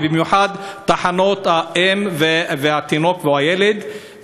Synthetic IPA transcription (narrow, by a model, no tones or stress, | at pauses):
bimjuħad̪t̪aħanot̪haʔemveveat̪inokveajeled̪